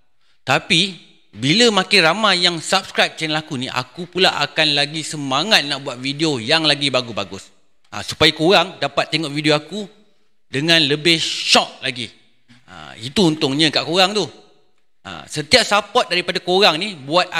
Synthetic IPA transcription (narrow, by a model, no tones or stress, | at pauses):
t̪api | biləmãkɪnramajaŋsap̚skɾajp̚t͡ʃɛnəlakunḭʔa̰kupulaa̰kanlaɡisəmaŋat̪̚naʔbuat̪̚vidiojaŋlaɡibaɡusbaɡʊs | a̰su̥pajakoɾaŋdapat̪ːeŋɔʔvidioaku | dəŋãnləbɪhʃɔk̚laɡi | ə̰it̪uːnt̪ʊŋɲə̃kaʔkoɾaŋt̪u | ʔə̰sət̪iap̚sapɔt̪̚daɾipadakoɾaŋnibuat̪̚